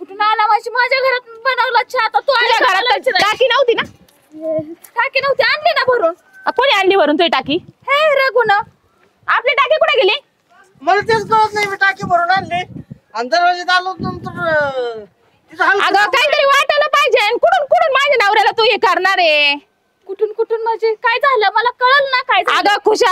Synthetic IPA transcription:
kuʈunanamaɕiːmad͡ʑʱjaɡʱəɾat̪bənaʋlət̪ːt͡ɕʰat̪at̪uat̪jaɡʱəɾalaʈakiːnaʋt̪iːna | eʈakinəʋt̪iaɳɖlinabəɾuːn | koɽ̃iaɳɖliːbʱəɾuːnt̪uɦiʈakiːɦeɾəɡuna | apljaʈakikuɽẽɡeli | məlt̪et͡skəɭət̪najmiːʈakiːbʱəɾuːnanle | ənd̪əɾʋad͡ʑed͡z̪alonənt̪əɾ | aɡakaɦiːt̪əɾiʋaʈələpaɦid͡ʑenkoɽuːnkuɽuːnmad͡ʑenaʋɾajlat̪uɦekəɾnaɾe | kuʈʰuːnkuʈʰuːnməd͡ʑekajd͡zaləməlakəɭəlnakajd͡zaaɡakʰuɕa

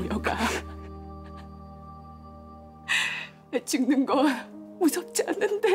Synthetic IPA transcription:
ojʌk͈a | net͡ɕɯŋnɯnɡʌmusʰʌp̚t͡ɕ͈ianːɯnde̞

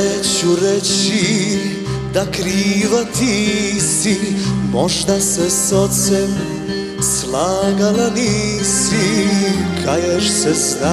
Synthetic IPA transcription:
et͡ɕuɾet͡ɕi | d̪akɾiːʋat̪ʰisimoʒd̪asesot̪sem | slˠaːɡalanisi | kʰajeʃsezna

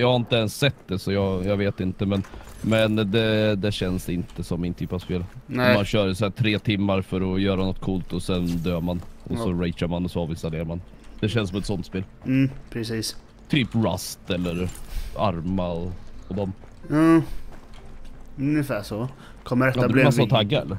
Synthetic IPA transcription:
jɑhaɾɪnt̪əɛnsːɛt̪d̪ɛsɔjɑjɑveːt̪ɪnt̪əmɛn | mɛnd̪ɛd̪ɛɕɛnsɪnt̪əsɔmːɪnt̪ʰyːpavspeːlɔmanɕœːɾsæːʈ̪ʰɾeːt̪ʰɪmːaɾfœɾɔjœːɾanɔt̪̚ːkʰuːlt̪ɔsɛnd̪øːmanʔɔsɔɾɛɪʃaɾmanɔsɔɑːvɪnst̪aleːɾaɾman | d̪̥ɛɕɛnspʰɔɛt̪sɔnt̪speːl̩ː | pʰɾɛsiːs | t̪ʰyːpɾa̰st̪ɛlːəɾaɾmaɔɔd̪ɔm | ɑː | ɵnjɪfæːʂɔ | kʰɔmːəɾɛad̪ɛblmasːaɔt̪ʰaɡːaɛ̰lːəɾ

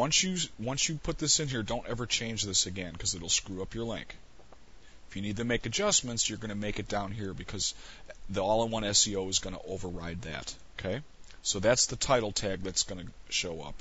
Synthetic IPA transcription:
wʌ̃nsjɨwʌ̃nsjɨpʰʊt̪̚ðɪsɨ̃nɦiɹdõʊ̃ntɛvə˞t͡ʃʰẽɪ̃nd͡ʒðɪsɨɡɛ̃nkʰʌzɨɾl̩ˠskɹʉʌpjə˞lɪ̰̃ŋk | ɪfjɨnid̚tɨmeɪkɨd͡ʒʌsmɨ̃ntsjə˞ɡʌnɨmeɪkɨt̚d̥ãʊ̃nɦiɹbɨkʰʌzðiɔlˠə̃nwʌ̃nɛsioʊɨzɡʌnə̰ʔoʊvə˞ɹaɪd̪̚ðæ̰t̚oʊkʰeɪ | soʊðætsðətʰaɪɾl̩ˠtʰæɡ̚ðɨtsɡ̥ʌnɨʃoʊʌ̰p̚

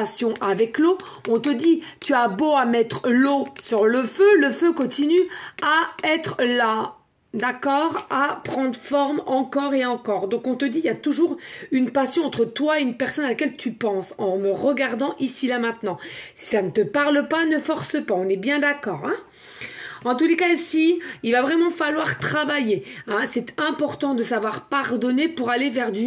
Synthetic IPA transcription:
sjɔ̃ʔavɛklo | ɔ̃t̪əd̪it̪yaboamɛt̪χlosyʁləføləføkɔ̃t̪inyaɛt̪χla | d̪akɔːʁapχɑ̃d̪ʁəfɔʁmɑ̃kɔʁeɑ̃kɔːʁd̪ɔ̃kɔ̃t̪əd̪iljat̪uʒuːʁynpasjɔ̃ɑ̃t̪χət̪waeynpɛʁsɔnalakʲɛlt̪ʰypɑ̃sɑ̃məʁəɡaʁd̪ɑ̃ʔisilamɛ̃t̪nɑ̃si̥sanət̪əpaʁləpanəfɔʁsəpaɔ̃nɛbjɛ̃d̪akɔːʁɛ̃ | ɑ̃t̪ulekaisiilvavʁɛmɑ̃falwaʁt̪χavajeɛ̃sɛt̪ɛ̃pɔʁt̪ɑ̃d̪əsavwaʁpaʁd̪ɔnepuʁalevɛʁd̪y

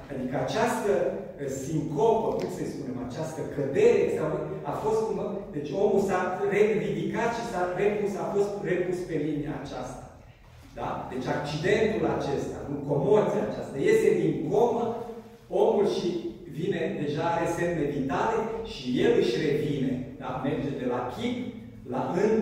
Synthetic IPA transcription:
ad̪ikəat͡ʃast̪ə | siŋko̞pəkumsəjspune̞mat͡ʃast̪əkəd̪e̞ɾesavafo̞st̪kund̪e̞t͡ʃʲo̞mulsare̞vid̪ikat̪ʃisarepusafo̞st̪re̞puspe̞linia̰ːt͡ʃa̰st̪ḁ | d̪̥a̰d̪et͡ʃʲak̚t͡ʃid̪e̞nt̪ulat͡ʃe̞st̪a̰nuko̞mo̞rt̪siat͡ʃast̪aje̞st̪e̞d̪inɡo̞mə | o̞mulʃi | vine̞d̪e̞ʒaaɾe̞se̞mle̞vit̪ale̞ʃije̞lɨʃʲre̞vine̞d̪ame̞rd͡ʒe̞d̪e̞lakʰʲip | laʔɨn

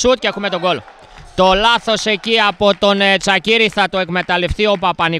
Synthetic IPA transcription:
sut̪̚ce̞xume̞t̪o̞ɡo̞lo̞̰ | t̪o̞lɐθo̞se̞ciɐpo̞t̪o̞net͡sɐciɾiθɐt̪oe̞kme̞t̪ɐle̞fθio̞pɐpɐni

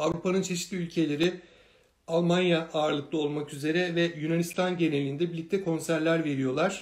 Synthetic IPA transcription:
avɾupʰanɯnt͡ʃʰe̞ʃi̥t̪lʲiylʲcʰe̞lʲe̞ɾi | alˠmanjaʔaːɾlˠɯklˠao̞lˠmakyze̞ɾɛvɛjunanist̪ʰanɟe̞ne̞lʲind̪ɛbilʲːic̚t̪ʰʲːɛkʰo̞nsæɾlʲæɾve̞ɾijo̞lˠaɾ̥

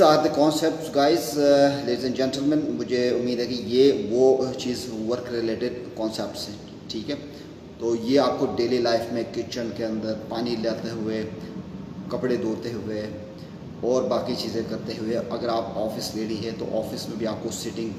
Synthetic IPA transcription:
aːɾd̪əkɔːnsɛp̚ʈsɡaːɪzleːɖizɛ̃ɳd͡ʒɛ̃nʈəlmɛ̃nʊmʊd͡ʒʱeʊmːiːd̪ɦɛkijeːʋot͡ʃiːzʋəɾkɾɪleːʈɪɖkɔ̃ːnsɛp̚ʈsɦɛ̃ | ʈʰiːkɦɛː | t̪oːjeaːp̚koɖeːlilaːɪfmẽkɪt͡ʃənkeɐ̃nd̪əɾpaːnilaːlt̪eɦʊe | kɐpɽed̪oːɾt̪eɦʊe | ɔːɾbaːkit͡ʃiːzẽkɐɾt̪eɦʊeʔɐɡəɾaːpɔːfɪsleːɽiɦɛt̪o̰ʔɔːfɪsmẽbʱiaːp̚kosɪʈɪ̃ŋɡ

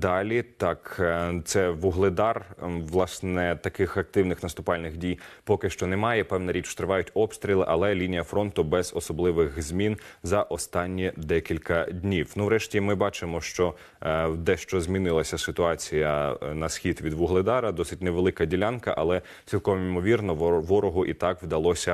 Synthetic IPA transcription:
d̪ɑlʲit̪ɑkt̪sɛʋʊɦlˠɪd̪ɑrʋlˠɑsnɛt̪ɐkɪxɐk̚t̪ɪwnɪxnɐst̪ʊpɑlʲnɪxdʲijpɔkɪʃt͡ʃɔnɛmɑjɛpɛʋnɐɾʲit͡ʃt̪ɾɪʋɑjʊtʲɔpst̪ɾʲilˠɪʔɐlˠɛlʲinʲijɐfɾɔnt̪ʊbɛz̥ɔsɔblˠɪʋɪxzʲmʲinzɐʔɔst̪ɑnʲːid̪ɛkʲilʲkɐdʲnʲiwnuʋɾɛʃtʲimɪbɑt͡ʃɪmɔʃt͡ʃɔ | d̪ɛʃt͡ʃɔzʲmʲinɪlˠɐsʲɐsɪt̪ʊɑt͡sʲijɐnɐsxʲit̪ʋʲid̪ʋʊɦlˠɪd̪ɑɾɐd̪ɔsɪtʲneʋelˠɪkɐdʲilʲankɐ̰ʔɐlˠɛ | t͡sʲʋʲilˠkɔʋɔmimɔʋʲirnɔʋɔɾɔɦʊʔit̪ɑkʋd̪ɐlˠɔsʲɐ

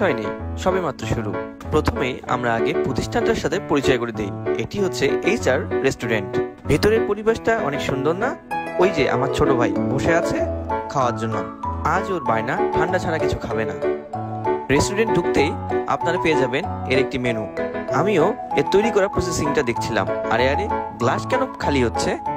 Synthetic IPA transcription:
ɔenḛjʃɔbemat̪ːɾoʃuɾṵ | pɾot̪ʰomeja̰mɾaaɡepɾot̪iʃʈʰanʈaɾʃat̪ʰepoɾit͡ɕɔekoɾed̪ejeʈiɦotːɕʰeejt͡ɕaɾɾesʈuɾeɳʈbʱit̪oɾeɾpoɾibaʃʈaɔ̰nekʃund̪oɾnaojd͡ʑeʔa̰maɾt͡ɕʰoʈobʱajboʃeat͡ɕʰekʰaoaɾd͡ʑonːoad͡ʑoɾbajnaʈʰaɳɖat͡ɕʰanakit͡ɕʰukʰabena̰ | ɾesʈuɾeɳʈ̚ɖʱukt̪eja̰pnaɾapeed͡ʑabeneɾek̚ʈimenuamio | eɾt̪ojɾikɔɾaɾpɾusesiŋʈad̪ekʰt͡ɕʰila̰ma̰ɾeaɾeɡlaʃkɛnokʰaliɦotːɕʰe

